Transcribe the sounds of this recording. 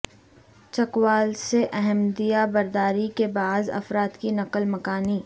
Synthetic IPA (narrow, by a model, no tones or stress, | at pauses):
t͡ʃɐkwaːlseʔɛɦɛmd̪ijabɐɾd̪aːɾikebaːzɐ̰fɾaːt̪kinɐqəlmɐkaːniː